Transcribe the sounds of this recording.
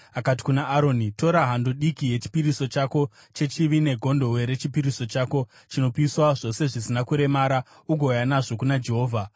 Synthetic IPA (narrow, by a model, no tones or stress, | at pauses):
akat̬i̥kunaʔːɾo̞nito̞ɾaɦandoɗikije̞t͡ʃi̥piɾiso̞t͡ʃako̞ | t͡ʃe̞t͡ʃiʋine̞ɡʱondo̞we̞ɾe̞t͡ʃipiɾiso̞t͡ʃaːko̞ | t͡ʃino̞piswaʐo̞se̞ʐisinakuɾe̞maːɾa | uɡʱo̞janaʐo̞kunad͡ʒe̞ɦo̞ːvʱa